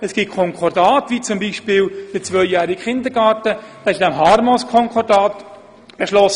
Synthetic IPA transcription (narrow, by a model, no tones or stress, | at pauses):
ɛsɡ̥it̚kʰɔŋkʰɔɾdɑːtʋiːt͡sʊmbiʃpɪːld̥ət͡sʋœʏjæːɾɪɡχɪnd̪əɾɡɑːɾtəd̥ɑːɪʃd̥ɛmɦɑːɾmɔskʰɔŋkʰɔɾdaːt̪ | b̥eʃlɔs